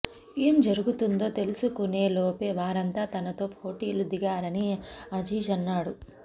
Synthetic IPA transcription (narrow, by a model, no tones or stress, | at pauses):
eːmd͡ʒɐɾuɡut̪und̪o̞ːt̪e̞lusukuneːloːpeːʋaːɾɐnt̪aːt̪ɐnɐt̪o̞ːpʰo̞ːʈiːlud̪iɡaːɾɐniɐd͡ʒiːd͡ʒɐnːaːɽu